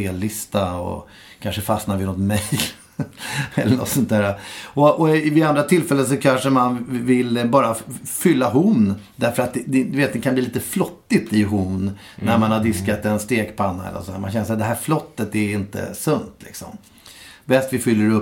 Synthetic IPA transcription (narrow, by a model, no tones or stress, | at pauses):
eːlːɪst̪aɔ̰ | kʰanʂəfasnaɾvɪnɔt̪mɛjl | ɛlːəɳɔ̰t̪sɔnt̪æːɾaɔʔɔvɪand̪ɾat̪ʰɪlfɛlːəns̬ɔkʰanʂəmanvɪlbɑːɾafʏlːaɦʊnːd̪æɾfœɾat̪̚d̪ɛd̪d̪ɵveːt̪̚d̪ɛkʰanbliliːt̪əflɔt̪ːɪt̪ɪɦʊnː | næɾmanhad̪ɪskat̪ɛnst̪eːkpʰanːaɛ̰lːə̰sɔd̪æːɾmanɕçɛnːəsad̪ɛɦæːɾflɔt̪ːət̪ɛɪnt̪ə̰sɵnt̪lɪ̰ksɔ̰m | bɛst̪vɪfʏlːəɾɵ